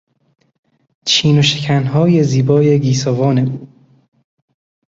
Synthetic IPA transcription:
t͡ʃʰiːno̞ʃecʰænɦɒːje̞ziːbɒːje̞ɡiːsɒːvɒːne̞uː

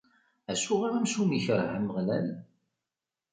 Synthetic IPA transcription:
æsuʁaɾæmʃumiçəɾhəmːəʁlæ̰l

